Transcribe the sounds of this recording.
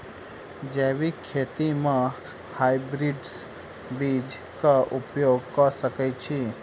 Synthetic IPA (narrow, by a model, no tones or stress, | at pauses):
d͡ʒɛːʋikʰːeːt̪imã | hajbɾiɖs | bid͡ʒ | kaʔʊpjoːɡ̚kɔsəkɛt͡ʃʰi